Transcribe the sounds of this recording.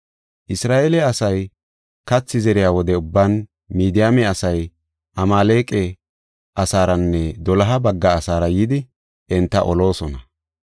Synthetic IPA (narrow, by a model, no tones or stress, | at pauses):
ʔɪsɾaːʔelɛɐsɐj | kɐt͡sːɪzɛɾɪjaːwɔd̪ɛʊbːaːn | miːd̪ɪjamɛɐsɐj | ʔɐmaːleːkʼɛ | ʔɐsaːɾɐnːɛd̪ɔlɐɦɐbɐɡːɐːsaːɾɐjiːd̪ɪ | ɛnt̪ːɐ̰ʔɔlo̞ːsɔnɐ